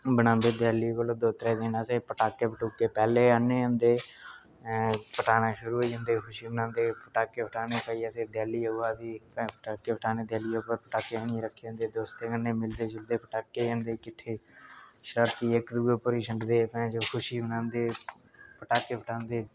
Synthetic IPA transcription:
bəɽãːnd̪eːd̪ɛːliːkoloːd̪oːt̪əɾɛ̃ːd̪ɪnəseːpəʈaːkːeːpəʈuːkːeːpɛːleːaneːənd̪eː | pəʈaːnaːʃʊɾuːed͡ʒə̃nd̪eːkʰʊʃiːbənãːnd̪eːpəʈaːkːeːpʰəʈaːneːpəiːəseːd̪ɛːliːʊaːd̪iːpːpəʈaːkːeːpʰəʈʰaːneːd̪ɛːliːoːpəɾpəʈaːkeənĩɾəkʰːeːə̃nd̪eːd̪oːst̪eːkənːeːmɪld̪eːd͡ʒəld̪eːpəʈaːkːeːənd̪eːkɪʈʰeːʃəɾəɾt̪iːɪkd̪uoːpəɾiːʃəɳɖd̪eːpɛ̃ːd͡ʒokʰʊʃiːbənãːnd̪eː | pəʈaːkeːpʰəʈʰãːnd̪eː

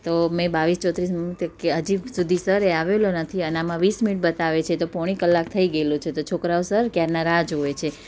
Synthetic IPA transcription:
t̪omẽbaʋist͡ʃɔt̪ɾismit̪keəd͡ʒisud̪ʱisəɾeaʋelonət̪ʰiəneamãʋisminiʈ̚bət̪aʋet͡ʃʰet̪opɔɽ̃ikəlːak̚t̪ʰəiɡəelũt͡ʃʰet̪ot͡ʃʰokɾaosəɾkjaɾnaɾad͡ʒɦoet͡ʃʰe

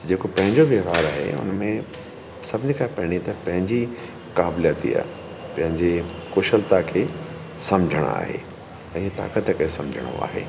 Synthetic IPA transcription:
d͡ʑeːkopɐ̃ɦɪ̃ɲd͡ʑoʋeːʋaːɾaːɦḛʊ̰nmẽ | sɐbʱɪɲikʰãpɐɦɪɽ̃it̪ɐpɐ̃ɦɪ̃ɲd͡ʑi | kaːbljaːt̪ḭja̰ː | pɐ̃ɦɪ̃ɲd͡ʑekʊʃəlt̪akʰeː | sɐmd͡ʑʱəɽ̰̃a̰ːɦḛ | ɐ̃iet̪a̰ːkət̪kɐesɐ̃md͡ʑʱəɽ̃o̰a̰ːɦḛː

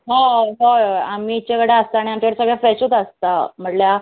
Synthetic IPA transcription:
ɦãɦaamit͡ɕakəɽeəst̪aːɽiamt͡ɕaʋəɾsəɡɭjafɛsut̪əst̪am̤əʈlja

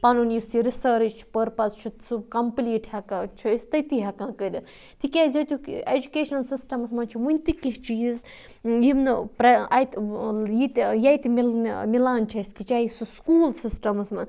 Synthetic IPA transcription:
pɐnunjisiɾisəɾit͡ʃt͡ʃʰi̥pəɾpɐzt͡ʃʰut̪subkɐmpliːʈʰhɐkãt͡ʃʰuist̪ɐt̪iɦɐkãːkədʲɐn | t̪ʰikʲezʲɐt̪uked͡ʒukeːʃɐnsisʈɐmɐsmɐnt͡ʃʰuʋunʲt̪ikiɦt͡ʃiːz | jimnɨpɾɐɐjt̪jit̪jɐjt̪imilmilaːnt͡ʃʰɐskit͡ʃaisuskuːlsisʈɐmɐsmɐn

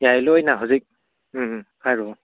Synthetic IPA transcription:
jajlɔjnaɦuzik̩̚ | hʰajɾɔ

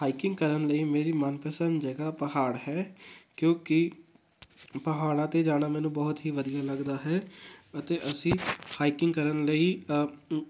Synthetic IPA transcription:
haːikɪ̃ŋɡ̚kəɾənləiːmeːɾiːmənpəsənd̪d͡ʒəːɡaːpəɦaːɽɦɛːkjõːkɪ | pəɦaːɽ̃ãːt̪eːd͡ʒaːɽaːmɛːnũːbɔːt̪ɦiːʋəd̪ijaːləɡd̪aːɦɛːət̪eːʔəsĩːhaːikɪŋɡkəɾənləiː

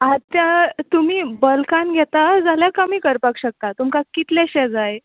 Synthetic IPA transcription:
at̪jat̪um̤iːbəlkanɡʱɛt̪ad͡zaljakəmiːkəɾpakɕək̚t̪at̪umkakit̪lɛɕɛ̃d͡zaj

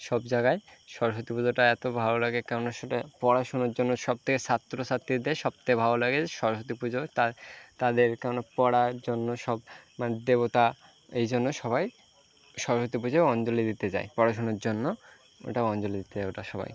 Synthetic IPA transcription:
ʃɔbd͡ʑaɡaeʃɔɾoʃot̪ipud͡ʑoʈaɛt̪obʱabolaɡekɛɾonoapɔɽaʃunoɾd͡ʑonːoʃɔb̚t̪ʰekesat̪ːɾosat̪ʰːid̪eʃɔb̚t̪ʰekebʱabolaɡed͡ʑeʃɔɾoʃot̪̬ipud͡ʑot̪at̪ad̪eɾkɛɾonopɔɽaɾd͡ʑonːoʃɔbmaned̪ebot̪a | ejd͡ʑonːoʃɔβaj | ʃɔɾoʃot̪ip̬ud͡ʑebɔnt͡ɕoled̪it̪et͡ɕa̰epɔɽaʃ̬unoɾd͡ʑonːo | o̰ʈaɔnt͡ɕoled̪it̪et͡ɕaeoʈaʃɔba̰j

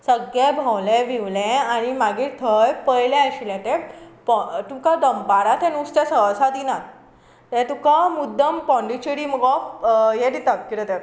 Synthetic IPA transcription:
səɡjebʱawlɛ̃ʋiʋlɛ̃aɽ̃imaɡiːɾt̪ʰəjpəjlɛ̃əɕilɛ̃t̪ɛ̃pɔt̪ũkad̪əmbaɾat̪ʰɛ̃nust̪ẽsəsad̪inat̪ | t̪ɛ̃t̪ũkamud̪ʱːəmpɔ̃ɳɖit͡ɕəɽiməɡɔfjɛd̪it̪ak̚kiɾət̪ɛ

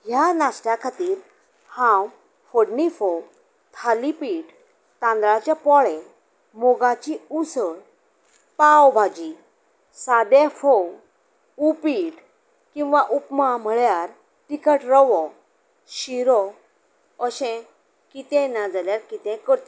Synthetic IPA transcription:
ɦjanasʈjakʰat̪iːɾ | hãw | foɽnifow | t̪ʰalipiːʈ | t̪ãnd̪ɭat͡ɕjapɔɭɛ̃ | moɡãt͡ɕiusə | pawbʱad͡ʑi | sad̪ɛfow | upiːʈ | kĩw̃ʋaʔupmam̤əɭjaɾ | ʈikəʈɾɔʋɔ | ɕiɾɔ | əɕɛ̃ | kit̪ɛ̃nad͡zaljaɾkit̪ɛ̃kəɾt̪e

